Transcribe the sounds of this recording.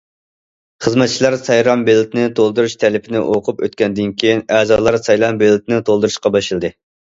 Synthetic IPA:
χəzmɛt̪̚t͡ʃʰilˠɑɾsɑjɾɑmbelɪt̪ʰɪnɪt̪ʰolˠd̪uɾuʃt̪ʰɛlɪpʰɪnɪ̰ʔoqʰʊpø̰t̪̚kʲʰɛnd̪ɪnkʲʰijinɛːzɑːlˠɑɾsɑjɾɑmbelɪt̪ʰɪnɪt̪ʰolˠd̪uɾuʃqɑbɑʃɨlˠɨd̪ɨ

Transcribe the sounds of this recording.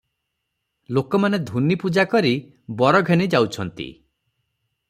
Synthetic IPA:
lokɔmaned̪ʱunipud͡ʒakɔɾi | bɔɾɔɡʱenid͡ʒawt͡ʃʰɔnt̪ḭ

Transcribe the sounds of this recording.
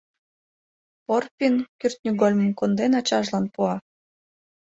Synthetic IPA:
porpʲinkyrt̪̚nʲyɡolʲmə̆mkond̪enɑt͡ɕɑʒlɑnpuɑ

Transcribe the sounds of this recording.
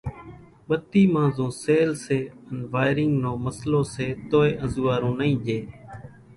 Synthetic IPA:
ɓət̪iːmãːzõːseːlseːənʋaːɪɾɪŋɡnõːməslõːseːt̪oːeːʔəzuːaːɾõːnəĩːʄeː

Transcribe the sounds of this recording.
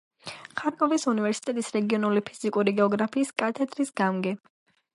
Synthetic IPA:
χaɾkʼɔvisunivɛɾsi̥t̪ʼɛt̪ʼisɾɛɡiɔnulipʰiz̥ikʼuɾiɡɛɔɡɾapʰiːskʼat̪ʰɛd̪ɾisɡ̥amɡɛ

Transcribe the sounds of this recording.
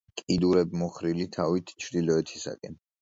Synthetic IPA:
kʼid̪uɾɛbmɔχɾilit̪ʰavit̪ʰt͡ʃʰɾd̪ilɔɛt̪ʰi̥sa̰kʼɛn

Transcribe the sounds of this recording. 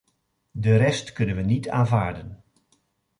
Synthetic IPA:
dəɾɛstkɵnənʋənitʰa̰ːnvaːɹdən

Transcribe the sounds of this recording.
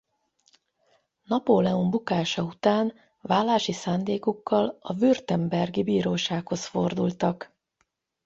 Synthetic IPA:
nɒpoːlɛumbukaːʃɒut̪aːn | vaːlːaːʃisaːnd̪eːkukːɒlɒvyrt̪ɛmbɛrɡibiːɾoːʃaːkho̞sfo̞rd̪ult̪ɒk

